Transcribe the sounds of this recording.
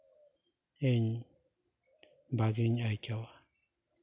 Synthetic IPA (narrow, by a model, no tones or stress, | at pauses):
eɲ | baɡiɲajkʲawa